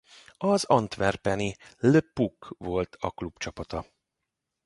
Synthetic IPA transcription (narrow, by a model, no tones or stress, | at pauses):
ɒzɒnt̪ʋɛrpɛniløpukvo̞lt̪ʰɒ̰klubt͡ʃɒpɒt̪ɒ